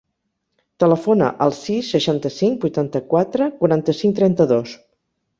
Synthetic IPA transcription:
t̪ələfonə̰ʔəlˠsisːəʃant̪əsiŋbujt̪ant̪əkwat̪ɾəkuɾant̪əsiŋt̪ɾɛnt̪əðos

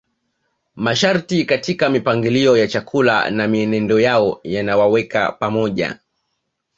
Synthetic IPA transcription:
maʃaɾtikatikamipaŋɡiliɔjat͡ʃakʰula̰namiɛnɛndɔjaɔjanawawɛka̰pamɔʄa̰

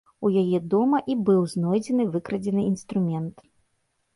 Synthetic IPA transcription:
ujajɛd̪ɔmɐʔibɨwznɔjd͡zʲɛnɨvɨkɾɐd͡zʲɛnɨinst̪ɾumʲɛnt̪

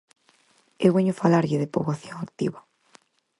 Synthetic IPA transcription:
ewβeɲʊfalaɾʎɪðepoβaθjoŋakt̪iβa

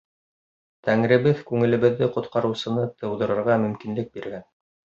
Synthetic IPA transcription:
t̪æŋɾɘ̆βɘðkʉŋɘ̆lɘ̆βɘ̆ðːɘqŏt̪qɑɾɤ̆wsɤ̆nɤt̪ʰɤ̆wðɤ̆ɾɤ̆ɾʁɑmɵ̆mkinlɘk̚biɾɡæn

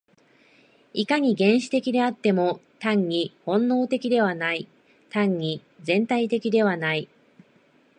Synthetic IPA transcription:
ikaɲ̟iɡẽ̞ɰ̃ɕi̥t̪e̞kʲid̪e̞at̪ːe̞mo̞t̪ãɲ̟ːihõ̞nːo̞ːt̪e̞kʲid̪e̞β̞anai | t̪ãɲ̟ːi | zẽ̞nt̪ait̪e̞kʲid̪e̞β̞anai

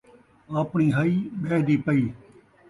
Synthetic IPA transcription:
aːpɳiːɦɐiːɓeːɦd̪iːpɐiː

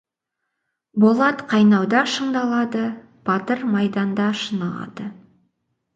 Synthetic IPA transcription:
bo̞lˠɑt̪qʰɑjnɑwd̪ɑʃəɴd̪ɑlˠɑd̪ə | b̥ɑt̪əɾmɑjd̪ɑnd̪ɑʃənɑlˠɑ̰d̪̥ə

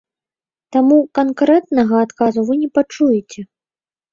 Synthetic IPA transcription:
t̪amukankɾɛt̪nɐɣɐːt̪kazuvɨnʲɛpat͡ʂujɛt͡sʲɛ

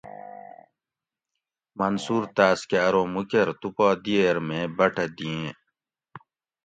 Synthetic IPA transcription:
mɐnsuːɾt̪aːskaːɾõːmukeɾt̪upaːd̪ieɾmẽːbɐʈʰd̪iẽː

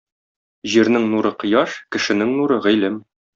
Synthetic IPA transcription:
ʑiɾnɘŋnuɾɤqɤ̆jɑʃkɘ̆ʃɘ̆nɘŋnuɾɤʁɘ̆lɘm

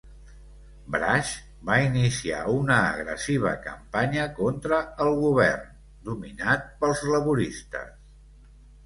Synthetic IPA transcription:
bɾaʃ | bainisia̰unəːɣɾə̰siβ̞ə̰kəmpaɲəkont̪ɾəːlˠɣuβɛ̰rn | d̪uminat̪̚pəlˠzləβuɾist̪ə̰s

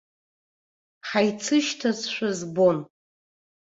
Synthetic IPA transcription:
ħajt͡sʰɨʃtʰazʃʷᶣazbo̞n

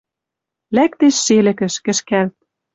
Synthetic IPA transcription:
læk̚t̪eʃːelɘ̆kɘ̆ʃkɘ̆ʃkælt̪̚

